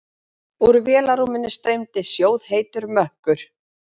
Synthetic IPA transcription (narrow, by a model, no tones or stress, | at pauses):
uɾvjɛːlaɾumɪnɪst̪ɾejmt̪ɪsjoːwðheːjt̪ʏɾmœhkʏɾ̥